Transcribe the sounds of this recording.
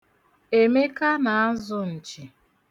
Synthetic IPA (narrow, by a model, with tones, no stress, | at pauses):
e˨me˦ka˦na˨a˦zʊ˨n̩˨t͡ʃiɪ˨